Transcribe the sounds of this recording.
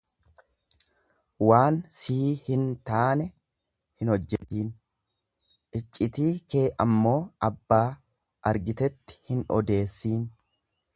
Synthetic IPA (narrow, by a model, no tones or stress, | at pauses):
waːnsiːhɪnt̪aːnɛ | hɪnhɔd͡ʒːɛt̪iːn | ʔɪt͡ʃʼːɪt̪iːkeːʔɐmːo̞ːʔɐbːaː | ʔɐɾɡɪt̪ɛt̪ːɪ̥hɪnɔ̰d̪e̞ːsːiːn